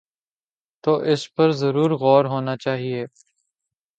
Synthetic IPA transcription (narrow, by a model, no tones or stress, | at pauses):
t̪oːʔɪspɐɾzɐɾuːɾɣɔːɾɦoːnat͡ʃaːɦieː